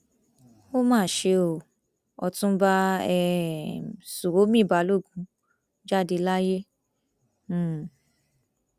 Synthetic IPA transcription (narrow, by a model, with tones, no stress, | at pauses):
o˦mãː˦˨ʃe˧o˨ | ɔ˧tũ˦ba˦ɛ˦ | su˨ɾo˨˦mĩ˦˨ba˨˦lo˦˨ɡũ˨˦ | d͡ʒa˦˨de˧la˦je˦˨